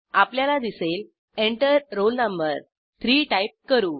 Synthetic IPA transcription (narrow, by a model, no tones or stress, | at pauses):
apljalad̪isel | eɳʈəɾɾolnəmbəɾ | t̪ʰɾiːʈajp̚kəɾuː